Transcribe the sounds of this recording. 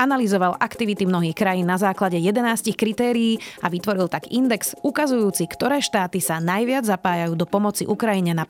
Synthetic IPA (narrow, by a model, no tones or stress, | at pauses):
analizɔʋalʔakt̪iʋit̪imnɔɦiːxkɾajiːnːazaːklaɟɛjɛd̪ɛnaːscixkɾit̪ɛːɾiiːaʋit̪ʋɔɾilt̪aɡḭnd̪ɛksukazujuːt͡sikt̪ɔɾɛːʃt̪aːt̪isanajʋɪad͡zzapaːjajuːd̪ɔpɔmɔt͡siʔukɾajiɲɛna